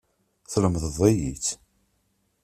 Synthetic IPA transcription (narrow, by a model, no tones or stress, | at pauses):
θləmðəðˤejiθ